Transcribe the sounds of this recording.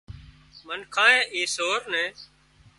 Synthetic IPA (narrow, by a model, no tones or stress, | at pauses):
mənkʰãːẽːʔeːsoːɾnɛ̃ː